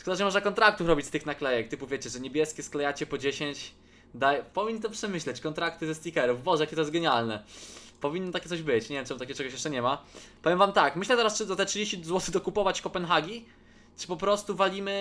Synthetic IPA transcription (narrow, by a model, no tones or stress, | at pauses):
skɔd̪aʐɛmɔʐnakɔnt̪ɾak̚t̪ufɾɔbʲit͡ɕʲst̪ɘxnaklɛjɛk̚t̪ɘpuvʲjet͡ɕɛʐɛɲebʲjɛskʲɛsklajat͡ɕɛpɔd͡ʑeɕeɲt͡ɕ | d̪ajpɔvʲiɲnt̪ɔpʂɛmɘɕlɛt͡ɕkɔnt̪ɾakt̪ɘzɛst̪ʲikɛɾufbɔʐɛjakʲɛt̪ɔjɛst̪ɡɛɲalnɛpɔvʲinːɔt̪akʲɛt̪sɔʑbɘt͡ɕɲɛvʲjɛmt͡ʂɛmut̪akʲjɛt͡ʂɛɡɔɕjɛʂt͡ʂɛɲɛmapɔvʲjɛmvamt̪akmɘɕlɛt̪ɛɾast͡ʂɘzat̪ɛtʂɨd͡ʑeɕt͡ɕizwɔt̪ɘxd̪ɔkupɔvat͡ɕkɔpɛnxaɡʲi | t͡ʂɨ̥pɔpɾɔst̪uvalʲimɘ